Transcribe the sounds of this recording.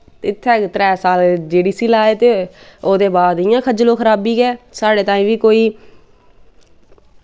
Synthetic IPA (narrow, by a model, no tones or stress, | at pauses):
ɪt̪ʰːɛːt̪ɾɛːsaːld͡ʒeːɖiːsiːlaːeːt̪eːoːd̪eːbaːd̪ɪjãːkʰəd͡ʒlõːkʰəɾaːbiːɡɛːsaːɽeːt̪ãːĩːʋiːkoːiː